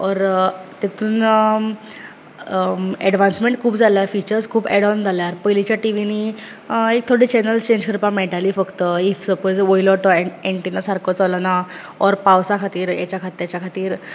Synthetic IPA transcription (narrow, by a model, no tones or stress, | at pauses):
ɔɾt̪et̪uːn | ɛɽʋãnsmẽɳʈ̚kʰuːpd͡zʱalafit͡ɕəɾskʰuːbɛɽɔnd͡zʱaljaɾpəjlit͡ɕjaʈiʋini | ek̚t̪ʰoɽiːt͡ɕɛnəlst͡ɕẽɲd͡ʑkʰəɾpameʈalifəkt̪əifsəpod͡zʋoilɔʈɔeɳʈinasaɾkɔt͡sɔlanaɔɾpawsakʰat̪iːɾja̰t͡ɕjakʰat̪iːɾjat͡ɕakʰat̪iːɾ